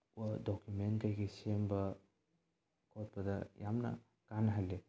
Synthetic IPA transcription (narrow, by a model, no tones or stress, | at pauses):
uɐdɔkjumentkajɡesembɐ | kʰɔt̚pɐdɐjamnɐ̰ | kanɐɦale